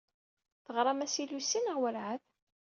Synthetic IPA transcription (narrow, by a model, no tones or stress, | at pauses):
θəʁɾˤɑmæsilusːinəʁwəlʕað